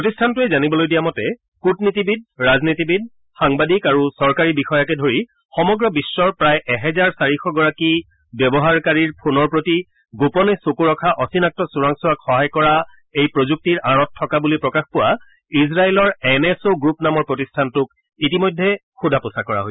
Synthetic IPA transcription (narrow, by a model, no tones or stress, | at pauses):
pɹotistʰantʊɛzanibɔlojdijamɔtɛ | kutnitibid̚ɹaznitibid̚ | xaŋbadikaɹusɔɹkaɹibixɔjakɛdʱoɹi | xɔmɔɡɹɔbisːɔɹpɹajʔɛɦɛzaɹsaɹixɔɡɔɹaki | bjɔbɔɦaɹkaɹiɹpʰunɔɹpɹoti | ɡopɔnɛsokuɹɔkʰaʔɔsinak̚tɔsuɹaŋsuakxɔɦajkɔɹa | ejpɹozuk̚tiɹaɹɔtʰːɔkabulipɹɔkaxpʊwa | is̬ɹaɛlɔɹɛnɛsoɡɹupnamɔɹpɹotistʰantʊk | itimɔjdʱːɛ | xudʱapʊsakɔɹa̰ɦojsɛ̥